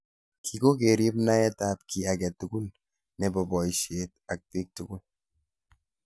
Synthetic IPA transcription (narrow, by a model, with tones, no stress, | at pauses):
kʰi˨ko˦k̬e˨ɾi˦pna˦ɛ˦ta˦p̚kʰi˨a˨kɛ˨tu˨ku˦l | nɛ˨bɔ˨bɔ˨iʃet̚a˨k̚pi˦k̚tu˨ku˦l